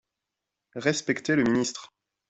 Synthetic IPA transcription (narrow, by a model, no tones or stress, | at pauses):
ʁɛspɛkt̪eləminist̪χ